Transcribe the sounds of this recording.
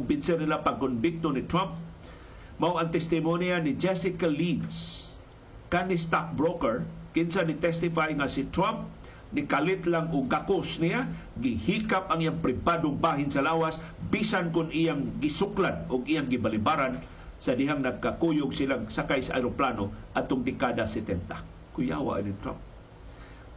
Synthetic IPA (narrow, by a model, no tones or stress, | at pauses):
kʊmbɪnsɪrnɪlapaɡ̚kʊnbɪk̚t̪onɪt̪ɾamp̚ | mawaŋt̪ɛst̪ɪmonianɪd͡ʒɛsɪkalid̪s | kanɪst̪ak̚bɾokɛɹkɪnsanɪt̪ɛst̪ɪfajŋasɪt̪ɾamp̚ | nɪkalɪt̪laŋʊɡkakʊsnɪjaɡɪhikapaŋʔijaŋpɾɪbadʊŋbaɦɪnsalawasbisankʊnijaŋɡɪsʊklad̪̚ʊɡijaŋɡɪbalibaɾan | sadɪɦaŋnaɡ̚kakujʊɡsilaŋsakajsaʔa̰jɾoplanoʔat̪ʊŋd̪ɪkadasɛt̪ɛnt̪a | kʊja̰wa̰ʔanit̪ɾa̰mp̚